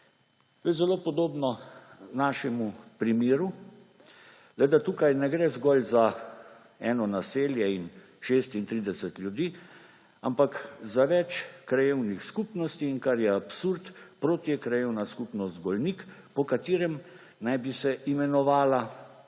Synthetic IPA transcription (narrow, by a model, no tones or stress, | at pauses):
t̪ojzɛloːpɔd̪oːbnɔnaːʃɛmupɾimiːɾu | lɛd̪at̪uːkajnɛɡɾɛzɡɔlza | ɛːnɔnaseːljɛin | ʃest̪int̪ɾiːd̪ɛsɛt̪lʲjud̪iː | a̰mpakzaʋɛt͡ʃkɾajewnixskupnɔst̪iːnkaɾjɛapsuɾt̪pɾoːt̪jɛkɾajewnaskupnɔst̪ɡɔlnikpɔkat̪iːɾɛm | najbisɛʔimɛnɔʋaːla